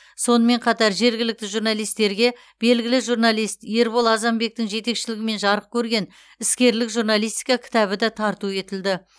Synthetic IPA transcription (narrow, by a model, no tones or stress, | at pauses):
so̞nəme̞ɴqʰɑt̪ɑɾʒe̞ɾɡʲɪlɪk̚t̪ɪʒuɾnɑlˠijst̪e̞ɾɡʲe̞ | b̥e̞lɡʲɪlɪʒurnɑlˠijst̪je̞ɾbolˠɑzɑmbe̞k̚t̪ɪŋʒe̞t̪e̞kʃɪlɪɡʲɪme̞nʒɑɾəq̚kʲʰɵɾɡʲe̞n | ɪskʲe̞ɾlɪkʒuɾnɑlˠijst̪i̥jkɑkʲʰɪ̥t̪ɑβɪd̪ɑt̪ʰɑɾt̪ue̞t̪ɪld̪ɪ